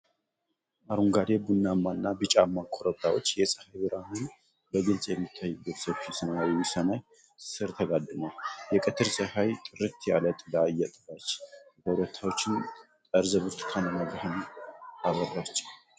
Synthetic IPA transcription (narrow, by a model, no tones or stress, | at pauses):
ʔaɾuŋɡad̪ebunːamːanːabɨt͡ʃʼamːakʰoɾəbt̪ʰawo̞t͡ʃːjɛsʼə̥hajbɨɾahɨn | bəɡɨlsʼjɛmːit̪ʰːajːɨbːət̪səβʃisɨnaawɪsənaj | sɨɾt̪ʰəɡad̪ɨnajɛkʼɨt̪ʰɨɾsʼəhajt̪ʼɨɾɨt̪ʰjalət̪ʼlajːɛt̪ʼbat͡ʃːt̪ʰəɾət̪ʰawo̞t͡ʃːɪn | t̪ʼəɾzəβɨɾt̪ʰɨ̥k̪ʰanəməɡɾəhɨnaβərːat͡ʃːʼ